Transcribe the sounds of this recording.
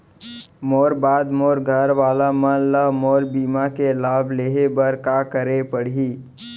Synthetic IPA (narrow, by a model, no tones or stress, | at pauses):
moːɾbaːd̪moːɾɡʱəɾʋaːlamənləɦmɔːɾbiːmakelaːbʱleːɦebəɾkaːkəɾepəɽ̤iː